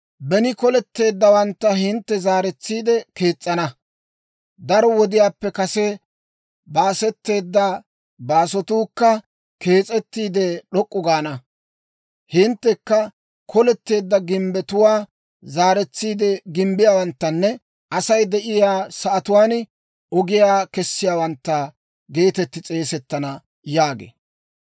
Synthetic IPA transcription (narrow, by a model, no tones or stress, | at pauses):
bɛnɪkɔlɛt̪ːe̞ːd̪ːɐwɐnt̪ːɐɦɪnt̪ːɛzaːɾɛt͡sːiːd̪ɛke̞ːt͡sʼːɐnɐ | d̪ɐɾɔwɔd̪ɪjaːpːɛkɐsɛ | baːsɛt̪ːe̞ːd̪ːɐ | baːsɔt̪uːkːɐ | ke̞ːt͡sʼɛt̪ːiːd̪ɛɗɔkʼːʊɡaːnɐ | hɪnt̪ːɛkːɐ | kʰɔlɛt̪ːe̞ːd̪ːɐɡɪmbɛt̪ʊwaː | zaːɾɛt͡sːiːd̪ɛɡɪmbɪjaːwɐnt̪ːɐnːɛ | ɐsɐjd̪ɛʔɪjaːsɐʔɐt̪ʊwaːn | ɔɡɪjaːkɛsːɪjaːwɐnt̪ːɐ | ɡe̞ːt̪ɛt̪ːɪt͡sʼe̞ːsɛt̪ːɐnɐ | jaːɡḛː